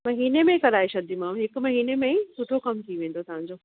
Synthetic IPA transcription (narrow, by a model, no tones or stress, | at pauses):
mɐɦiːnemẽkɐɾaːeʃɐd̪imãːmɦɪkmɐɦiːnemẽsʰʊʈʰokɐmt̪ʰiʋẽːn̆d̪ot̪ɐʋ̤ãɲd͡ʑoː